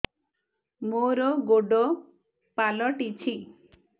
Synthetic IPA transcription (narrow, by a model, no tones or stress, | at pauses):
moɾɔɡoɖɔ | palɔʈit͡ʃʰi